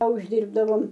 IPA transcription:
ɐ ʊʒʲˈdʲiːrbdɐʋoːm

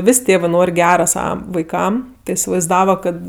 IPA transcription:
ˈʋʲɪsʲ ˈtʲeːʋɜ ˈnoːrʲ ˈɡʲæːrɐ ˈsɑːʋɐ ʋɐɪˈkɐm tʲɪ ɪsʲɪʋɐɪzˈdɑːʋɐ ˈkɐt

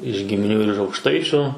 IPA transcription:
ɪʃ ɡʲɪmʲɪˈnʲuː ɪr ɪʃ ɐʊkˈʃtɐɪt͡ʃʲʊ

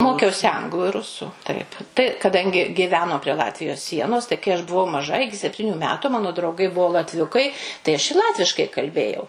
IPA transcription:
ˈmoːkʲɛʊsʲɪ ˈɐŋɡlˠʊ ɪr ˈrʊsʊ ˈtɐɪp tɐɪ kɐˈdɐŋʲɡʲɪ ɡʲɪˈʋʲæːnoː pʲrʲiɛ ˈlˠɑːtʲʋʲɪjoːs ˈsʲiɛnoːs tɐɪ kɐɪ ˈɐʃ bʊˈʋɐʊ mɐˈʒɐ ˈɪkʲɪ sʲɛpʲˈtʲiːnʲʊ ˈmʲæːtʊ ˈmɑːnoː drɐʊˈɡɐɪ ˈbuɔ lˠɐtʲˈʋʲʊkɐɪ tɐɪ ɐʃ ɪ ˈlˠɑːtʲʋʲɪʃkɐɪ kɐlʲˈbʲeːjɛʊ

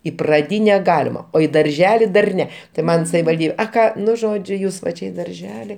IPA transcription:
iː prɐˈdʲiːnʲɛ ˈɡɑːlʲɪmɐ oː iː dɐrʲˈʒʲæːlʲɪ dɐr ˈnʲɛ tɐɪ ˈmɐn sɐʋʲɪʋɐlʲˈdʲiːbʲɛ ɐ ˈkɑː ˈnʊ ˈʒoːd͡ʒʲʊ ˈjuːs ʋɐ ˈt͡ʃʲɛ ɪ dɐrʲˈʒʲæːlʲɪ

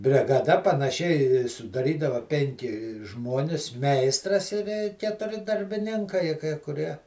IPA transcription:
bʲrʲɪɡɐˈdɐ pɐnɐˈʃʲɪ sʊdɐˈrʲiːdɐʋɐ ˈpʲɛŋʲkʲɪ ˈʒmoːnʲɪs ˈmʲɛɪstrɐs ɪ ˈʋʲeː kʲɛtʊˈrʲɪ dɐrʲbʲɪˈnʲɪŋkɐɪ kɐɪ kʊˈrʲiɛ

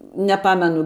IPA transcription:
nʲɛˈpɑːmʲɛnʊ

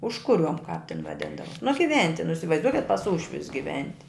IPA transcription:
ˈʊʃkʊˌrʲuɔm kɐp tʲɪn ʋɐˈdʲɪndɐʋɐ nʊ ɡʲɪˈʋʲɛnʲtʲɪ nʊ ɪsʲɪʋɐɪzˈduɔkʲɪt pɐs ˈuːʃʲʋʲʊs ɡʲɪˈʋʲɛnʲtʲɪ

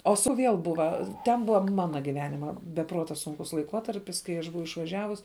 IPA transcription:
oː sʊ ˈʋʲiɛlˠ ˈbʊʋɐ tʲɛn ˈbʊʋɐ ˈmɑːnɐ ɡʲɪˈʋʲæːnʲɪmɐ bʲɛ ˈpruɔtɐ ˈsʊŋkʊs lˠɐɪˈkuɔtɐrʲpʲɪs kɐɪ ˈɐʃ ˈbʊʋɐʊ ɪʃʋɐˈʒʲæːʋʊs

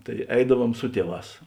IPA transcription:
tɐɪ ˈɛɪdɐˌʋuɔm ˈsʊ tʲiɛˌʋɑːs

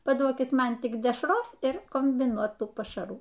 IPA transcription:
pɐˈduɔkʲɪt ˈmɐn tʲɪk dʲɛʃˈroːs ɪr koːmʲbʲɪˈnuɔtuː pɐʃɐˈruː

